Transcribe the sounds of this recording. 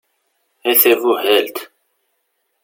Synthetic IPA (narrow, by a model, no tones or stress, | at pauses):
æθævuhælt̪